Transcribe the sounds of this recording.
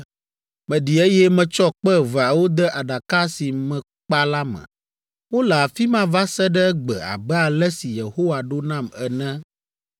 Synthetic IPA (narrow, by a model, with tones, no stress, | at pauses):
mɛ̃˨ɖi˨e˦jɛ˦mɛ̃˨t͡ʃɔ˦k͡pɛ˦va˨wo˦d̪ɛ˦ʔa˨ɖa˨ka˦si˨mɛ̃˨ | k͡pa˦la˦mɛ̰̃˨ | wo˦la˨fi˦mã˦va˦sɛ˦ɖɛ˦ɡ͡bɛ̰˨a̰˨bɛ˦a˨lɛ˦si˨je˨ho˦wa˨ɖo˦nã˦mɛ˨nɛ̃˦